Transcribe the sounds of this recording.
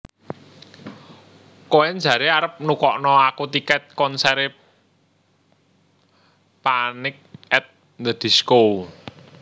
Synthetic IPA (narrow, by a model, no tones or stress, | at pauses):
koɛn̥d͡ʒä̤ɾeaɾəp̚nukɔʔnɔakut̪ikɛt̪̚kɔnsɛɾe | panɪk̚ɛt̪̚ | ndəd̪̥i̤skow